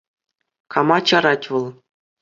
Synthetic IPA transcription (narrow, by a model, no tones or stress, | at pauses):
kɑmɑt͡ɕɑɾɑtʲʋɤ̆lˠ